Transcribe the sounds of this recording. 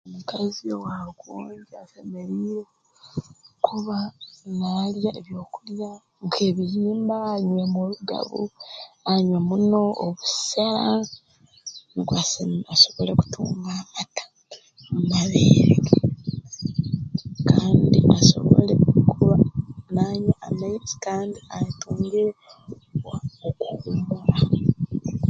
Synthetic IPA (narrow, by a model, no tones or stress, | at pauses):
omukaziowakwo̰ːɲɟiaseme̞ɾiɾe | kʰuβanaːljaʔeβjo̞ːkulja | ŋkʰe̞βijiːmbaːɲwemuluɡa̰βṵaɲwemuno̞ːβusala | ŋɡwasaso̞βo̞leku̥tʰṵːŋɡaːmatḁ | mumaβeːɾḛɡe | kaːndḭʔaso̞̰βolḛkʰuβanaːɲaamait͡si̥kaːndiajtuːŋɡe | okuumbula